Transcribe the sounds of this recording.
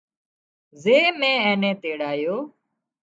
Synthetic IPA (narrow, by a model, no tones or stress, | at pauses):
zeːmẽːẽːnẽːt̪eːɽaːjoː